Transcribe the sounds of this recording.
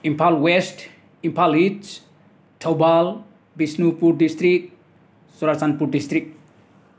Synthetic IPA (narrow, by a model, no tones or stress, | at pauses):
impʰalwesʈ | impʰalit͡ʃ | ʈʰawbal | bisnupuɾɖist̪ɾik̚ʈ | suɾat͡sanpuɾɖist̪ɾik̚ʈ̚